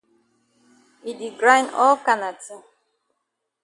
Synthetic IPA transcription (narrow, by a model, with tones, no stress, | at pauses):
i˨di˨ɡɾa˦nɔ˦ka˨na˨tɪ˦